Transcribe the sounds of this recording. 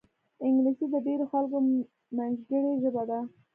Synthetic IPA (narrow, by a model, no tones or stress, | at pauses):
ɪŋɡlisid̪əɖeɾoxalko | manzɡəɽeʒəbad̪a